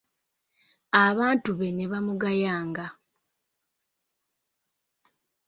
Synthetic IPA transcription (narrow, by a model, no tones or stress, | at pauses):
aβaːntuβe̞ne̞βamuɡajaːŋɡa